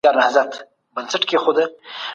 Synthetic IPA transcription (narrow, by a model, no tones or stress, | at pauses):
ɑɾnahzat̪ | bənsəʈkexod̪ə